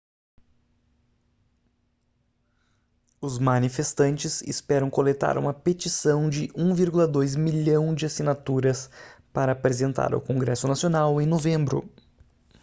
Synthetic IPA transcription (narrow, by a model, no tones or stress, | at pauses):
ʊzmɐnifest̪ɐ̃nt͡ʃɪzɪ̰spɛɾɐ̃w̃kolet̪a̰ɾʔṵmɐpet͡ʃisɐ̃w̃d͡ʒɪʔũviɾɡulɐd̪ojzmiʎɐ̃w̃d͡ʒɪasinat̪uɾɐspaɾɐːpɾezẽnt̪a̰ɾɐ̰kõŋɡɾɛsʊnasionawẽj̃novẽmbɾʊ̰